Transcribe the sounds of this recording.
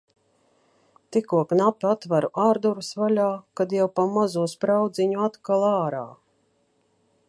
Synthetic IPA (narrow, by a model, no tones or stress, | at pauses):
t̪ikuɔknapʲat̪vaɾuʔaːɾd̪uɾusvalʲaːkad̪jawpamazuɔspɾawd̪ziɲuat̪kalˠaːɾa̰ː